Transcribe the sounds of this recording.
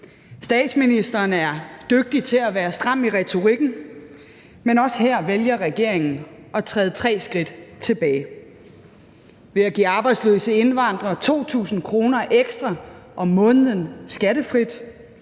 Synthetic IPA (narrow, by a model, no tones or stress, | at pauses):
sd̥ɛ̰ːd̥sminisd̥ɐːnæɐd̥øɡ̥̚d̥it͡sʰe̝læʋæːɐsd̥ʁɑ̈m̰iʁɛt͡sʰo̝ʁiɡ̥n̩ | menɒ̽sheɐ̰ʋeljɐʁɛɡ̥e̝ɐ̰e̝ŋn̩ʔɒ̽t͡sʰʁɛːðˠət͡sʰʁɛ̰ːsɡ̥ʁid̥t͡sʰe̝b̥ɛːɪ | ʋe̝æɡ̥ḭːɑ̈ːb̥ɑ̈ɪ̥sløːsəe̝nʋɑ̈n̰d̥ʁɐt͡sʰo̝̰ːt͡sʰṵːsn̩kʰʁo̝ːnɐʔeɡ̥sd̥ʁɑʔɒ̽mɔ̽ːnəðˠənsɡ̥æɾ̥əfʁid̥